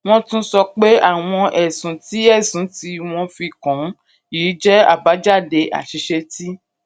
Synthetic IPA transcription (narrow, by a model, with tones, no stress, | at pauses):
w̃ɔ̃˦tũ˦sɔ˧k͡pe˦a˦˨w̃ɔ̃˧ʔɛ˨sũ˨˦ti˨˦ɛ˦˨sũ˨˦ti˧˦w̃ɔ̃˧fi˧kɔ̃˨˦ | iː˨˦d͡ʒɛ˦a̰˦˨ba˨˦d͡ʒa˦˨de˧a̰˨ʃi˧˦ʃe˧ti˦